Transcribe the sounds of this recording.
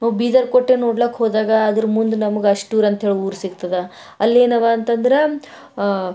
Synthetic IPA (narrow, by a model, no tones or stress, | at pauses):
nɐbiːd̪ɐɾkoʈːeːnoːɽlɐkːɦoːd̪aːɡɐːd̪ɐɾmund̪unɐmɐɡeɐʂʈuːɾɐnt̪ɐɦe̞ːɭiuːɾsiɡt̪ɐd̪e | ɐlːe̞ːnɐʋaːnt̪ɐnd̪ɐɾe